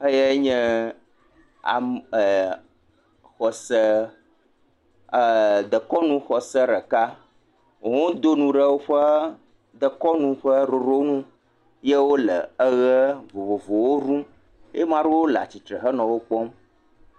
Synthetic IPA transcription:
ə˦je˦ɲɛ̃˦ | a̰˨ | xɔ˨sə˦˨ | d̪ə˨kɔ˦nũ˦xɔ˨sə˦ɾə˨ka˦ | o˨ŋõ˦d̪o˦nũ˨ɖə˦wo˦ɸə˦ | d̪ə˨kɔ˦nũ˦ɸə˦ɾo˨ɾo˦nũ˦ | je˦wo˦lə̰˨ə˦ɣə˦vo˨vo˨vo˨wo˦ɾũ˦ | je˦mã˦ɖo˦wo˦la̰˨t͡ɕi˨t̪ɾə˨ɦə˦nɔ̃˨wo˦k͡pɔ˦m

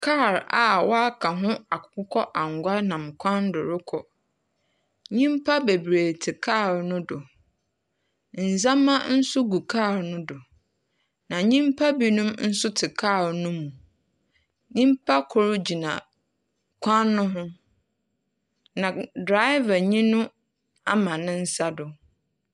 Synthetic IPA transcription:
kʰa˦˨ɾa˨wʔɔ˦a˦kʰa˨ɦʊ̃˦a˨kʊ̥˨kʊ˦kʰɔ˦ʔã˨ŋ˨ɡʷa˦nã˨mkʷʰã˦ndʊ˨ɾʊ˦kʰɔ˨ | ɲĩ˦mpʰa˦be˨bɾeː˨tʰɪ˨kʰa˦˨ɾnʊ̃˦dʊ˨ | n̩˨zã˦mːã˦n̩˦sʊ˦ɡu˨kʰa˦˨ɾnʊ̃˦dʊ˨ | nã˨ɲĩ˦mpʰa˦bi˦nũ˦mn̩˦sʊ˦tʰɪ˨kʰaː˦˨wnʊ̃˦mũ˨ | ɲĩ˦m˦pʰa˦kʰʊ˨ɾʊ˦d͡ʑi˨nã̰˨ | kʷʰã˦nːʊ̃˦ɦʊ̃˦ | nã˨dɾa˦ɪ˦va˨ɲĩ˦nʊ̃˦ | a˦mã˨nɪ̃˦n̩˦sa˦dʊ˨

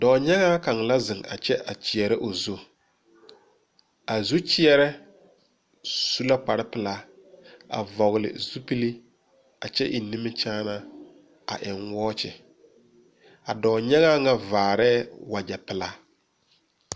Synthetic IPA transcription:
dɔː˨ɲa˦ŋa˦ka˨ŋla˦zɪ˨ŋa̰˨t͡ʃɛ˦ʔa˨t͡ʃɪ˨ɛ˨ɾɪ˦ʔo˨zu˦ | a˨zu˦t͡ʃɪ˦ɛ˦ɾɛ˦ | su˦la˦k͡pa˨ɾɪ˦pɪ˨la˦ | a̰˨vɔ˨ɣɪ˨lɪ̰˨zu˦pi˦li˦ | a˨t͡ʃɛ˦ʔi˨ni˦mɪ˦t͡ʃaː˦na˦ | a̰˨ʔɪ˨ŋwɔː˦t͡ʃɪ˨ | a̰˨dɔː˨ɲa˦ŋa˦ŋa˦vaː˨ɾɛː˦wa˨d͡ʒɛ˨pɪ˨laː˦

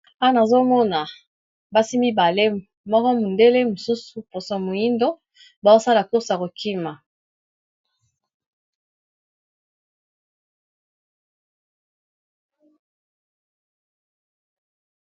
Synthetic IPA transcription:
a˦na˨zo˦mɔ˦na˨ | ba˦si˦mbi˦ba˨le˦ | mɔ˦kɔ˦mu˨nde˦le˦mo˨su˦su˨po˨so˨mo˨ji˦ndo˦ | ba˨zo˦sa˦la˨ko˦sa˨ko˨kʰi˦ma˨

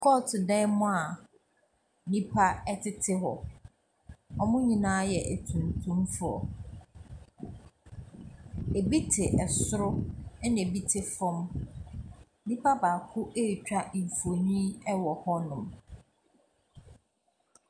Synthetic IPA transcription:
kʰɔ˦˨tʰɪ˨dɛ̃˦mʊ̃˦a˨ | nĩ˦pʰa˦ɛ˦tʰɪ˦tʰɪ˦ɦɔ˨ | ɔ˨mʊ̃˦ɲĩ˨nãː˦jɛ˨ʔæ˨tʰũ˨ntʰũ˦mfʊ˦ɔ̰˨ | e˨bi˦tʰɪ˨ʔɛ˨sʊ˦ɾʊ˦ɛ˦nẽ˨bi˦tʰɪ˨fɔ̃˦m | nĩ˦pʰa˦baː˨kʰʊ˦ʔe˦˨t͡ɕᶣa˦˨fo˨ɲĩ˦ɛ˦wɔ˨hɔ˦nʊ̃˨m

